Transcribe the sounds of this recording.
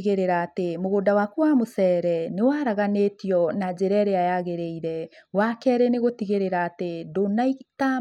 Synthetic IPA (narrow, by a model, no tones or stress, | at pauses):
ɣeɾeɾaːtemoɣodawakuamosɛɾɛnewaɾaɣanetiɔnad͡ʒeɾɛɾeajaɣeɾeiɾɛwakɛɾɛneɣotiɣeɾeɾaːtedonaita